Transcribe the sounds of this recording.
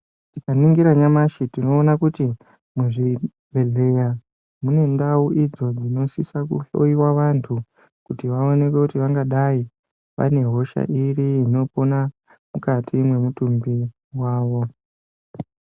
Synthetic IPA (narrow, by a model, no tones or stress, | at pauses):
tikaniŋɡiɾaɲamaʃitino̞ːnakuti | muʐi | bʱe̞ɮe̞ja | mune̞ndauʔid͡zo̞d͡zino̞sisakṵɬo̞̰iwaʋantʰu | kutiʋaone̞ke̞kutiʋaŋɡaɗai | ʋa̰ne̞ɦo̞ʃa̰ʔiriːno̞pona | mukatʰimwe̞mutumbi | waːʋo̞